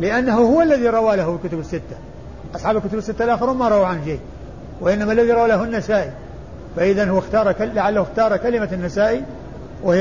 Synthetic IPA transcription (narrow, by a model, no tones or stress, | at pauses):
lɪʔanːaɦuhʊwalːaðiɾˤɑwaːlahulkʊt̪ʊbɪsːɪt̪ːḁ | ʔɑsˤħɑːblkʊt̪ʊbɪsːɪt̪ːalʔaxɪɾumaɾˤɑaʕanʃeː | wɪʔɪnːamalːaðiɾˤɑwaːlaɦunːasaːʔi | faʔɪðanhwaxt̪ɑːɾˤkalaʕalːahxt̪ɑːɾˤɑkalɪmanːasaːʔi | wɪ